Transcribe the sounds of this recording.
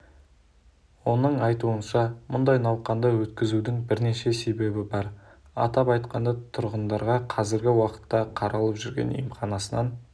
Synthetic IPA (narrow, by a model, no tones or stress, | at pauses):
wo̞nəɴɑjt̪uənʃɑmʊnd̪ɑjnɑwqɑnd̪ɑwɵt̪kʲɪzud̪ɪŋbɪɾne̞ʃe̞se̞be̞bɪbɑɾ | ɑ̰t̪ɑpɑjt̪qɑnd̪ɑt̪ʰʊɾʁənd̪ɑɾʁɑqʰɑzɪɾɡʲɪwɑqə̥t̪ːɑqʰɑɾʔɑlˠəpʒʏɾɡʲe̞̰nḭjmχɑnɑsənɑn